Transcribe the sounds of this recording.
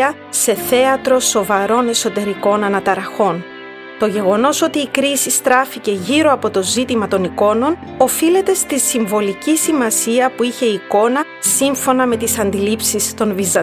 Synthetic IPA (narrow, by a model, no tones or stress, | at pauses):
ɐ | se̞θe̞ɐt̪ɾo̞so̞vɐɾo̞ne̞so̞t̪e̞ɾiko̞nɐnɐt̪ɐɾɐxo̞n | t̪o̞ʝe̞ɣo̞no̞so̞t̪iːkɾisist̪ɾɐfice̞ʝiɾo̞ɐpo̞t̪o̞zit̪imɐt̪o̞niko̞no̞n | o̞file̞t̪e̞st̪isiɱvo̞licisimɐsiɐpuiçe̞iko̞nɐ | siɱfo̞nɐme̞t̪isɐnd̪ilipsist̪o̞nvizɐ